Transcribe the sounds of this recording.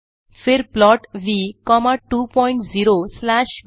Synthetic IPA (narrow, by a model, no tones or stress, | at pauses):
feɾplɔʈʋikɔmaʈupɔĩɳʈd͡ziɾoslaɕ